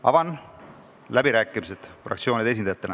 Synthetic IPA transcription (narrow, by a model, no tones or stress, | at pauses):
ɑ̰vɑn | læbiɾæːkːˑimiset̪frɑ̰kt̪sio̞ːnid̪̥es̬ind̪ɑjɑt̪ːele